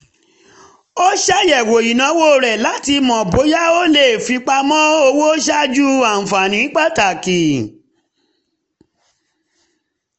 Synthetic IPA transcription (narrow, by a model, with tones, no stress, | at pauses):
o˦ʃa˦jɛ˨wo˨ji˨nã˨˧˦wo˦˨ɾɛ˨la˨˦ti˧mɔ̃˨bo˨˦ja˦o˦le˦˨fi˨˧k͡pa˧mɔ̃˦o˧wo˦ʃa˦d͡ʒu˦a˨fa˨nĩ˨˦k͡pa˦ta˨ki˨